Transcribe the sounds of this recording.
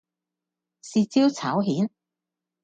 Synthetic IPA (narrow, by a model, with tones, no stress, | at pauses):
siː˨˧t͡siː˥wt͡sʰaː˨˥wɦiː˨˥n